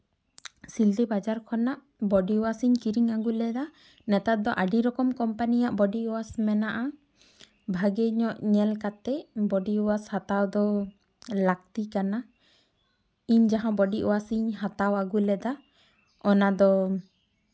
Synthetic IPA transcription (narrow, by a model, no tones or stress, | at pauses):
sild̪ɛbad͡ʒaɾkʰɔnaʔ | bɔɖiɔwasiɲkiɾiŋaɡulɛd̪a | nɛt̪at̪̚d̪ɔʔaɖiɾɔkɔmkɔmpanijaʔbɔɖiʔɔwasmɛnaʔa | bʱaɡɛɲɔʔɲɛlkat̪ɛʔbɔɖiuwashat̪awd̪ɔ | lak̚t̪ikana | iɲd͡ʒaɦãbɔɖiʔɔwasiɲɦat̪awaɡulɛd̪a | ɔnad̪ɔ